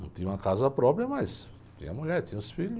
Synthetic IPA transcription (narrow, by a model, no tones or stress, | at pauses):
ɐ̃t̪ĩɲũɐkazɐpɾɔpɾjɐmɐs | t̪ḭ̃ɲ̃ɐmuʎɛɾt̪ĩɲ̃ʊsfiʎʊ